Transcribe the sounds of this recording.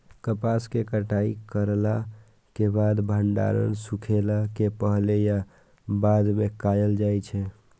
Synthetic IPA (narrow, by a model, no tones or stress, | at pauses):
kəpaskekəʈaikəɾla | kebad̪bʱəɳɖa̰ɾə̰nsukʰelakepəɦleja | bad̪mekajəld͡ʒajt͡ʃʰɛ